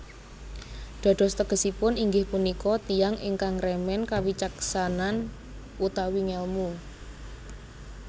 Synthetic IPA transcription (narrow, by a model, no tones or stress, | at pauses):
ɖ̪̥ɔ̤d̪̥ɔ̤st̪əɡ̥ə̤sipʊniŋɡɪhpunikɔt̪ijaŋʔɪ̰ŋkaŋrɛmɛnkawit͡ʃaksanan | ut̪awiŋɛlmu